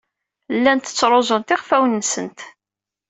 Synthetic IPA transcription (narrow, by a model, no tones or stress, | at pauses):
lːænt̪ə̥t͡sːɾˤozˤənt̪ɪʁfæwənːsə̰nt̪